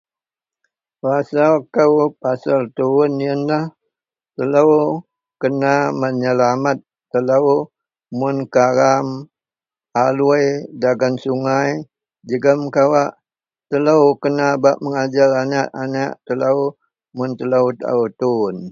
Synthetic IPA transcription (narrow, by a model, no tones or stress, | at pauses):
rasakəwpasalt̪unijənlah | t̪ələw | kənaməɲəlamat̪̚ːələw | mʊnkaɾam | aluəjdaɡansuŋaj | d͡ʒəɡəmkawaʔ | t̪ələwkənabaʔ̚məŋad͡ʒalanaʔanaʔt̪ələw | mʊnt̪ələwt̪a̰ut̪un